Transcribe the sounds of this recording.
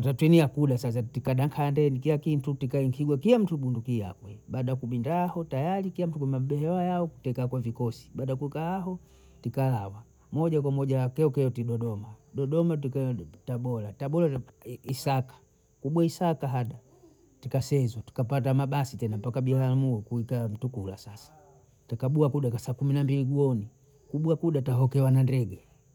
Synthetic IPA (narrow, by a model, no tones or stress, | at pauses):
atatwɛniakuɗasas̬atikaɗaŋkʰandɛnikilakin̩tutikaiŋkʰiɡwakilam̩tuɓundukia̰kwɛɓaːɗakuɓindahɔtajalikilam̩tukɛmaɓɛhɛwajaɔku̥tɛkakwavikɔsi̥ɓaːɗakukaaɦɔ | tikalawa | mɔʄak̬wamɔʄakɛɔkɛɔtiɗɔɗɔmaɗɔɗɔmatikataɓɔlataɓɔlaisakḁ | kuɓwaisakaɦaɗa | tikasɛzwati̥kapat̬amaɓasitɛnampakabilamuɔkuikam̩tukula̰sasḁ | takaɓuakuɗakasakuminambiliɡuɔni | kuɓuakuɗataɦɔkɛwanandɛɡɛ